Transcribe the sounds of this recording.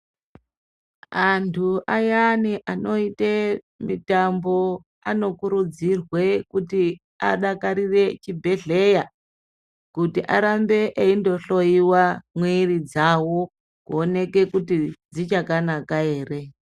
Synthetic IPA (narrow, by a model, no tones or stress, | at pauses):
antʰuʔajaniʔano̞ite | mitambo̞ | ano̞kuɾud͡zirwe̞kuti | a̰ɗakaɾire̞t͡ʃibʱe̞ɮe̞ja | kutiʔa̰ɾambe̞ʔeindo̞ɬo̞iwamwirid͡zawo̞ | kuone̞ke̞kutid͡zit͡ʃakanakae̞ːre̞